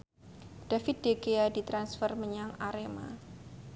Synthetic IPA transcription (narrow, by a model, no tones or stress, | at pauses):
d̥afɪt̪̚dekeadit̪ɾansfərməɲaŋaɾema̰